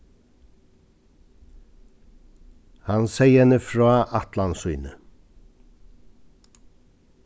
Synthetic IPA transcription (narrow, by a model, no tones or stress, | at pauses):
hɑnsæɪɛnəfɹɑːʔɑt̪lɑnsʏʏnə